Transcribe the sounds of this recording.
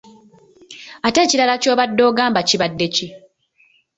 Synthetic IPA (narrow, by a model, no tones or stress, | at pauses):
ate̞ːciɾalaco̞ːβadːo̞ːɡaːmbaciβadːe̞ci